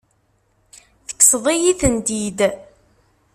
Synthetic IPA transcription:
θə̥kːsðˤijiθənd̪id̪

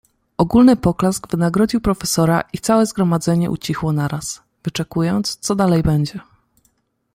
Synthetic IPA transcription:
ʔɔɡulnɘpɔklazɡvɘnaɡɾɔd͡ʑiwpɾɔfɛsɔɾa̰ʔit̪sawɛzɡɾɔmad̪zɛɲɛ̰ʔṵt͡ɕixwɔnaɾas | vɘt͡ʂɛkujɔnt̪st̪sɔd̪alɛjbɛɲd͡ʑɛ

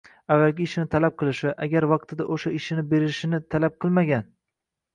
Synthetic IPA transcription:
avːalɡʲɪːʃɪnɪt̪ʰalap̚qʰɨlˠɪʃɪʔaɡʲaɾvɑq̚t̪ʰɪd̪aʔoʃaɪʃɪnɪbe̞ɾɪʃɪnɪt̪ʰalap̚qʰɨlˠmaɡʲan

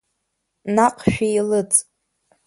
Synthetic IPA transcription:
naqʰʼʃᶣijlɨt͡sʼ

